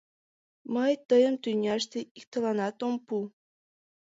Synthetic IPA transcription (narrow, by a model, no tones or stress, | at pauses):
məjt̪əjə̆mt̪ynʲɑʃt̪eikt̪ɤ̆lˠɑnɑt̪ompu